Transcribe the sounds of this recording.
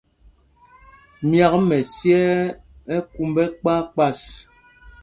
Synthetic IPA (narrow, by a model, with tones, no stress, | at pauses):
mja˦kmɛ˨sjɛ˦ | ɛ˦ku˦mbɛ˦k͡pa˦k͡pa˦˨s